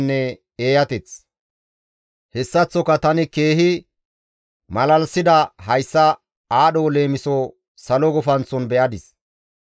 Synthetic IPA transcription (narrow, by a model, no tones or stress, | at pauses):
nːɛ | eːjɐt̪ɛt͡s | hɛsːɐt͡sːɔkɐt̪ɐnɪke̞ːɦɪ | mɐlɐlsɪd̪ɐɦɐjsːɐ | aːɗɔle̞ːmɪsɔ | sɐlɔɡɔfɐnt͡sːɔnbɛʔɐd̪ɪs